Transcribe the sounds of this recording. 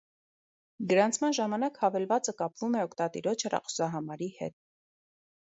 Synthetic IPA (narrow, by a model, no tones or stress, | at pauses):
ɡəɾɑnt͡sʰmɑnʒɑmɑnɑkhɑvɛlvɑt͡səkɑpvumɛɔkʰt̪ɑt̪ḭɾɔt͡ʃʰhɛrɑ̰χɔ̥sɑɦɑmɑɾihɛ̰t̪̚